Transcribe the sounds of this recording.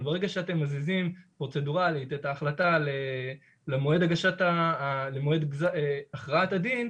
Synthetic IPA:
bee̞ɡaʃeate̞mːazizimpʁo̞t͡se̞duʁalit̪etaːχlatale | lemoe̞daɡaʃatalemoe̞dɡzaeaχʁaatadin

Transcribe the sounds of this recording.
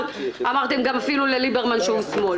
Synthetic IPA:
amaʁt̪emɡamafilulelibeʁmanʃehusmo̞l

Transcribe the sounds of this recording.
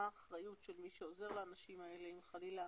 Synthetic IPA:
aːχʁajutʃelmiʃeo̞ze̞ʁlaaːnaʃimae̞le̞imχalila

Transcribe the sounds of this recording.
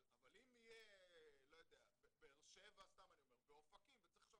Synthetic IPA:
avalimijelo̞jod̪eabebeːʁʃevast̪amanio̞meʁbeofakimvet͡sʁi̥ʃo

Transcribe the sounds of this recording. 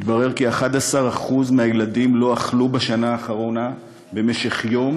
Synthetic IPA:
t̪baʁe̞ʁkiaχadasaʁaχuzmeɦajeladimlo̞aχlubaʃanaːχaʁo̞na | be̞me̞ʃe̞χjo̞m

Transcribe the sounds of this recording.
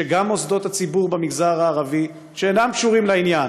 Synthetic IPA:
eɡamo̞zd̪o̞t̪hat͡sibuʁbemiɡzaʁaːʁavi | ʃeːnamkʃuʁimlainjan

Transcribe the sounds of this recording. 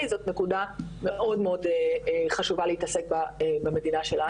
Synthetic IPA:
izo̞tnekudame̞ʔo̞dmeo̞deχaʃuvaleitɐsek̚babeme̞dinaʃe̞la

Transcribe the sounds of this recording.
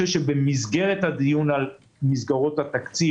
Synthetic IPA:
eʃebemizɡe̞ʁet̪had̪ijunal | mizɡaʁo̞t̪hat̪akt͡si

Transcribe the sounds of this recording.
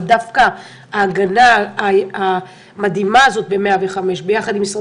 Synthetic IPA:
d̪afka | aːɡanaː | mad̪imaːzo̞t̪̚be̞meaveχame̞ʃbe̞jaχad̪imisʁ

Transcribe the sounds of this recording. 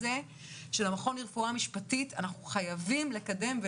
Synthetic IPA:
e | ʃelamaχo̞niʁfuamiʃpatitanaχuχajavimle̞kade̞mve

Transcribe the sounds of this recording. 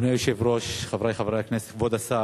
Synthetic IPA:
nejoʃevɾoʃχavɾajχavɾajaknese̥t̪kvod̪asa

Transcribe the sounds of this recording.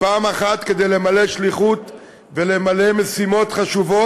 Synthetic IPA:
paːmaχat̪ke̞d̪e̞jle̞male̞ʃliχut̪ | ve̞le̞male̞mesimo̞t̪χaʃuvo̞

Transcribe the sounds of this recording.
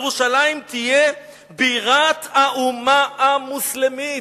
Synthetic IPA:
ʁuʃalajimt̪ije | biʁat̪haʔumaːmuslemi

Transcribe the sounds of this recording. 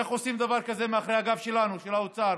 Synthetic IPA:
aχosimd̪avaʁkaze̞meaχʁehaɡafʃe̞lanuʃelaut͡saʁ

